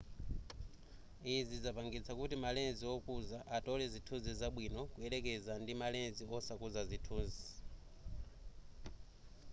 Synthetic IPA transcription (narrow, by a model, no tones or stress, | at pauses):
izizapaŋɡit͡sʰakutimalɛnziɔkuzaʔatɔlɛzitʰuzizaɓwinɔkuɛɾɛkɛzandimalɛnziɔsakuzazitʰuːzi